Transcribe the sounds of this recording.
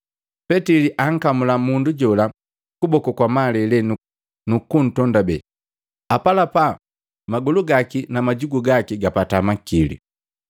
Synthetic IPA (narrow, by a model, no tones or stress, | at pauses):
pɛtiliʔaŋ̩kamulamunduɟɔla | kubɔkɔkwamalɛlɛnu | nukun̩tɔndabɛ | apalapa | maɡuluɡakinamaɟuɡuɡakiɡapatamakilḭ